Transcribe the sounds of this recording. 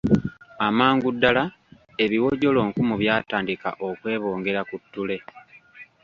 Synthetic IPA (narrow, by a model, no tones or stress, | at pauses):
amaːŋɡudːala | e̞βiwo̞ɟo̞lo̞ːŋkumuβjaːtaːndika̰ʔo̞kwe̞ːβo̞ːŋɡe̞ɾakutːule̞